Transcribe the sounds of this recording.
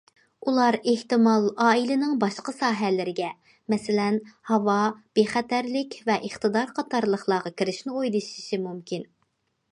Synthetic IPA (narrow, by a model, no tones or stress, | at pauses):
ulˠɑɾeht̪ɨmɑlˠɑːilɪnɪŋbɑʃqəsɑːɦɛlɪɾɪɡʲɛ | mɛsɪlɛnhɑvɑb̥eχɛt̪æɾlɪkʲvɛʔəχt̪ɨd̪ɑɾqʰɑt̪ʰɑɾlˠəχlˠɑːʁɑkʲʰiɾɪʃnɪojd̪ɨʃi̥ʃimumkʲin